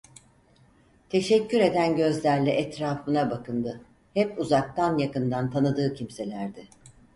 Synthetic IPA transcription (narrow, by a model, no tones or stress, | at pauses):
t̪ʰe̞ʃɛcʰːyɾe̞d̪ænɟø̞zlʲæɾlʲɛʔɛt̪ɾaːfɯnabakʰɯnd̪ɯ | hɛpuzak̚t̪anjakɯnd̪ant̪ʰanɯd̪ɯːcʰimse̞lʲæɾd̪ɪ